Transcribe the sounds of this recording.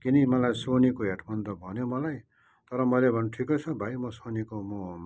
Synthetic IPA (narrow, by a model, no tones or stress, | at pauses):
kinimʌlajsonikoɦeʈʰmʌnd̪ʌbʱʌnjomʌlaj | t̪ʌɾʌmʌlebʱʌnʈʰikʌt͡sʰʌbʱajmʌsonikomo